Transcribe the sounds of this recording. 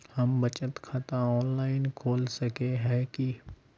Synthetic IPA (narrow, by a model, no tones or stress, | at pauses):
hɐmbɐt͡ʃət̪kʰat̪ãɔːnlaːɪnkʰoːlsɐkeɦɛki